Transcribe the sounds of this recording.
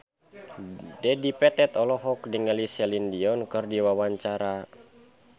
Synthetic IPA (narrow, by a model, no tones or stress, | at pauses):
dɛdipɛt̪ɛt̪ɔlɔɦɔk̚diŋəlisɛlindiɔnkɨrdiwawaɲt͡ʃaɾa